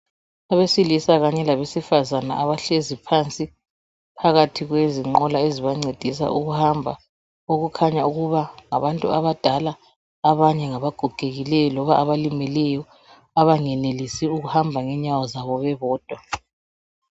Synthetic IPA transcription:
aβesilisaɣaɲɛlaβesifazana̰ʔaβaɬezipʰant͡sʼi | pʰaɣatʰiɣweziŋ͡ǃɔlaeziβaŋ͡ǀed̥ʱisa̰ʔuɣuhambʱa̰ | oɣukʰaɲauɣuβaŋa̰βantʼṵaβad̥ʱalaː | βaɲɛŋaβaɡ̥ʱuɡ̥ʱeɣilɛjɔlɔβaʔaβalimɛlɛjɔ | aβaŋɛnelisiuɣuhambʱaŋɛɲawɔzaβɔβɛβɔːd̥ʱwa

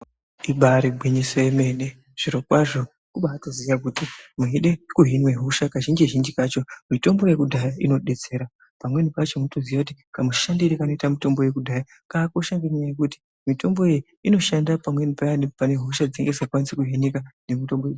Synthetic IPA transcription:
iɓaɾibʱiɲisoeme̞ne | ʐ̥iɾokwaʐo̞ | kuɓaːtozijak̬utimuɦiɗe̞kuɦinwe̞ɦoʃakaʒind͡ʒiʒind͡ʒikat͡ʃo̞mito̞mbo̞je̞kudʱajaino̞ɗe̞t͡se̞ːɾa | pamwe̞nipat͡ʃomunotozijakutikamuʃandirekano̞itamito̞mbo̞je̞kudʱaja | kaːko̞ʃaŋɡeɲɲajekuti̥ | mito̞mbo̞e | ino̞ʃandapamwe̞nipajanepane̞ɦoʃad͡zeŋɡe̞zakwanisekuɦinikane̞mito̞mboje

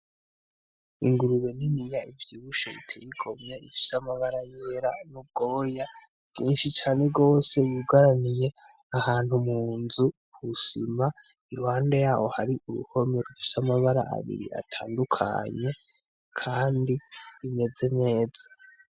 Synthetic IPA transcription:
ḭŋɡuɾuβe̞ninijaivjiːβuʃaḭtʰejiɡo̞mɲeifi̥samaβaɾajeɾanub̚ɡo̞ːja | bɡ̥iːnʃit͡ʃaːne̞ɡo̞ːse̞βuɡaɾanije̞ | ahaːn̥humuːnzu | kusima | iɾuhaːnde̞jaːwo̞haɾiʔuɾṵho̞meɾufi̥samaβaɾa̰ʔa̰βḭɾḭʔa̰tʰaːndukʰa̰ɲe̞ | kʰaːndiime̞ze̞ne̞ːz̥a

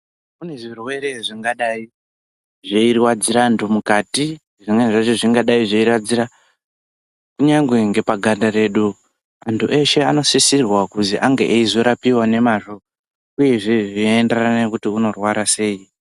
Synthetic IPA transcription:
kune̞ʐirwe̞ɾe̞ʐiŋɡaɗai | ʐeirwad͡ziɾantʰumukati | ʐiŋeʐat͡ʃiʐiŋɡaɗaiʐeirwad͡ziɾa | kuɲaŋɡwe̞ŋɡe̞paɡʱandaɾe̞ɗu | antʰuʔe̞ʃe̞ano̞sisirwakuziʔaŋɡḛʔeizo̞ɾapiwane̞maʃo̞ | uje̞ʐe̞ʐienderanaekutiuno̞rwaɾase̞ːi

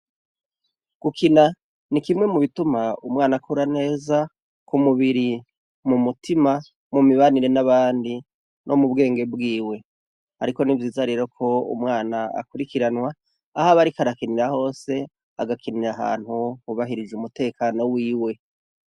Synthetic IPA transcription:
ɡ̥ukʰina | nikimŋe̞muβitumaumwaːnakuɾane̞ːza | kumuβiɾi | mumutʰima | mumiβaniɾe̞naβaːndi | nʔomubɡe̞ːŋɡe̞bɡiːwe̞ | a̰ɾiko̞nivjiːzaɾe̞ɾo̞kʰo̞ṵmŋaːnaa̰kuɾikiɾanwaː | haβaɾikaɾakiniɾaho̞ːse̞ | a̰ɡakʰiniɾaɦa̰ːn̥huhuβaɦiɾid͡ʒumute̞ːkʰaːno̞wiːwe̞

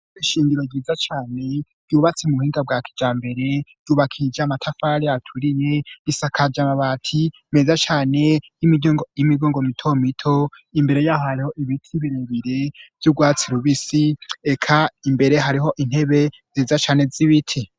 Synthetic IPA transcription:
iʃiːŋɡiɾo̞ɟiːzat͡ʃaːne̞ɾ̥ɟjuːβat͡semuhiːŋɡabɡwaːkʰi̥d͡ʒaːmbe̞ɾe̞̥ | juːβakʰid͡ʒamatʰafaːɾiatʰuɾiɲeisakʰad͡ʒamaβatʰi | me̞zat͡ʃaːne̞jimiɡimiɡoːŋɡomitʰomitʰo̞ | imbe̞ɾe̞jaːhohaɾiho̞ʔiβitʰiβiɾeβiɾev̥juɡwaːt͡siɾuβisiekʰaimbe̞ɾe̞ɦaɾiɦo̞ʔin̥he̞βe̞ | ziːzat͡ʃaːne̞ziβitʰi

